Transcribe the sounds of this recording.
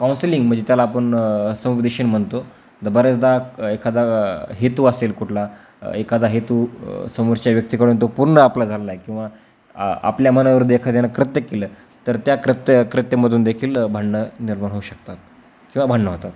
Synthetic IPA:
kawnsliŋɡm̤əɳd͡zet̪jalaːpəɳsəmupd̪iɕənm̤əɳt̪o | d̪əbaɾət͡sd̪aekʰad̪aɦet̪uəselkuʈʰla | ekad̪aɦet̪usəmoɾt͡ɕjaʋjək̚t̪ikəɽuːnt̪opuɾɳəaplad͡zʱalelajkĩw̃ʋa | a̰pljamənaʋəɾd̪ekʰat̪janakɾət̪jəkeləː | t̪əɾt̪jakɾət̪jəkɾət̪jəməd̪ʱuːnd̪ekʰiːlbʱəɳːəniɾmaɳɦoɕəkt̪at̪̚ | kĩw̃ʋabʱəɳːəɦot̪at̪

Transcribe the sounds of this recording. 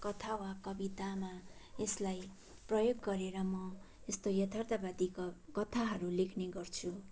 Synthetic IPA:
kʌt̪ʰawakʌbit̪amaeslaj | prʌjoɡːʌɾeɾʌmʌ | est̪ojʌt̪ʰʌrt̪abad̪ikkʌt̪ʰaɦʌɾulekʰneɡʌrt͡sʰu

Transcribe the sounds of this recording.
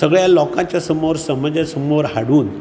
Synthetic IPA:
səɡɭjalɔkãt͡ɕjasəmoɾsəməd͡zjasəmoɾɦaɽuːn

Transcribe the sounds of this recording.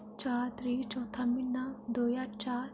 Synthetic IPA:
t͡ʃat̪ɾit͡ʃɔt̪ʰaminːad̪ojaɾt͡ʃaɾ

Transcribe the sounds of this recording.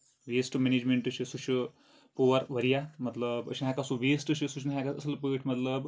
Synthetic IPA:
ʋeːsʈmeneːd͡ʒmeɳʈɨt͡ʃʰisut͡ʃʰi | poːʋɐɾʋɐɾijamɐt̪ləbə̰t͡ʃʰinɦakasuʋeːsʈɨt͡ʃʰisut͡ʃʰnɦakaɐsɨlpəːʈʰmɐt̪ləb

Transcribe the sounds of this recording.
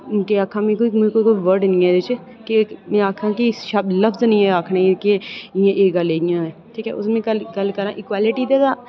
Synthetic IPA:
keaːkʰːãːmẽːkoːimkoːiːkoiʋəɾɖnɪ̃ːɛːd̪ɪt͡ʃ | kɪmẽːaːkʰːãːkiʃəbləbznĩːɛ̃ːaːkʰnaːekeɪjãːʔeːɡəleːɡɪjãːɛːʈʰiːkɛ̰ːʔʊsmẽːkəlɡəlkəɾãːʔɪːkwaːlɪʈiːd̪eːd̪aː

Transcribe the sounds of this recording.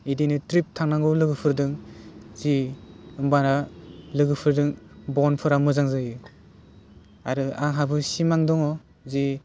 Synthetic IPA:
idinɯtɾip̚tʰaŋnaŋɡɯlɯɡɯpʰɯɾdɯŋziɯmbanalɯɡɯpʰɯɾdɯŋbɔnpʰɯɾamɯzaŋzɯjɯ | a̰ɾɯa̰ŋɦabɯsimaŋdɔŋɔ | zi

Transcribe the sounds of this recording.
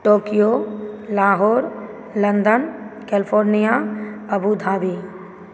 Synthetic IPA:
ʈoːkijolaːɦoːɾ | lə̃nd̪ənkɛːlɪpʰoːɾnijaɐbud̪ʱaːbiː

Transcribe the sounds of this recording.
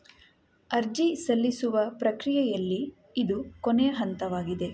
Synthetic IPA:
ɐɾd͡ʒisɐlːisuʋɐpɾɐkɾijɛjɐlːiː | d̪ukonejɐɦɐnt̪ɐʋaːɡid̪e̞

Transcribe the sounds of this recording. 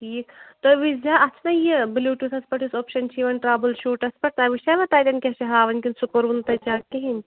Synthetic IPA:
ʈʰiːkt̪oʋizaːɐt͡ʃʰnɐjibilʲuːʈut̪ʰɐspɐʈʰisoːpʃɐnt͡ʃʰiʋɐnʈɾaːbɐlʃuːʈɐspɐʈt̪ɐːʋiʃɐʋɐt̪aːt̪ʲɐnkʲeʃɐɦaːʋɐnʲkʲinsukɐɾunt̪ɐt͡ʃaːkeɦinʲ

